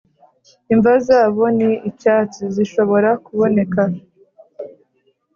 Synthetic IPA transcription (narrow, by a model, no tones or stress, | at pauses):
iɱvazaːβo̞niicaːt͡siziʃo̞βo̞ɾakuβo̞ne̞ka